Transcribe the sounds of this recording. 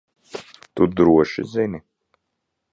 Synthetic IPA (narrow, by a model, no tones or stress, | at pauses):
t̪ud̪ɾuɔʃḭzinʲi